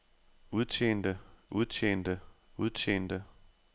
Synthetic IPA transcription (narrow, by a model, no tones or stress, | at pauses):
uð̞ˠt͡ɕʰḛːnd̥əʔuð̞ˠt͡sʰḛːnd̥əuðˠt͡ɕʰḛːnd̥ə